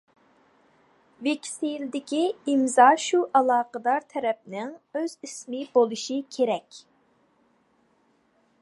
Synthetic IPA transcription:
vekʲʰi̥sɪjild̪ɪkʲiimzɑʃuʔɑlˠɑːqəd̪ɑɾt̪ʰɛɾɛp̚nɪŋøzismɪbolˠuʃikʲʰeɾɛkʲ

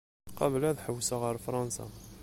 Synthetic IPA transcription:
qɑbəlæðħəwːsaʁəɾfɾˤɑnsa̰

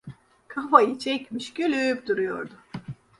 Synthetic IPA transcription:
kʰafajɯt͡ʃʰɛcʲmiʃɟ̥ølʲyp̚d̪uɾujo̞̰ɾd̪ʊ

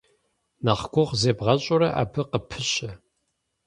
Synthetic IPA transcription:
naχɡʷʊʁzeːbʁɐɕʼʊɾɐʔa̰ːbʰɨqəpʰɨɕɐ

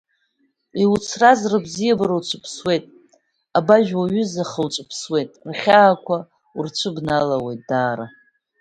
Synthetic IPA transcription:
iut͡sʰrazrɨbzijabaɾawt͡ʃʷʰɨpʰswe̞jtʼ | abaʒᶣwaɥʏzaχəwt͡ʃʷʼɨpʰswe̞jtʼrχʲaːkʷʰa | urt͡ʃʷʰɨbnalawe̞jt̚ʼd̥aːɾa

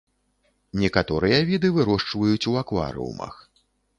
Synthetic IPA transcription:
nʲɛkat̪ɔɾɨjɐvʲid̪ɨvɨɾɔʂt͡ʂvɐjut͡sʲuakva̰ɾɨ̰ṵmɐ̰x

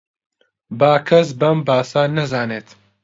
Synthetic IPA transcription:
baːkʰɐs̬bɐmbaːsaːnɐzaːneːt̪

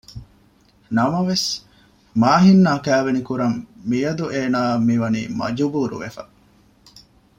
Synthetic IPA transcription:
nɐmɐʋes | maːɦinːaːkæːʋenikuɾɐmmijɐd̪uʔeːnaːmiʋɐnḭːmɐ̰d͡ʒubuːɾṵʋḛfɐ

